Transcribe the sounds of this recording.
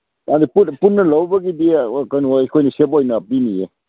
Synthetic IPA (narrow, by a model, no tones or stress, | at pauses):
adipupunːɐlawbɐɡidikajnikʰojnisebojnɐp̚iniḛ